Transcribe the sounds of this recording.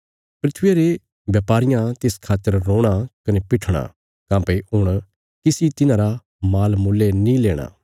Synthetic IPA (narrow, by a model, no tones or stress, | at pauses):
pɾɪt̪ʰʋjeɾe | ʋjaːpaːɾɪjãt̪eskʰaːt̪ːəɾːõːɽ̃akɐnepɪʈʰɽ̃a̰ | kãːpeʊɽ̃ | kɪsit̪ɪnãɾa | maːlmuːlːenĩleːɽ̃a̰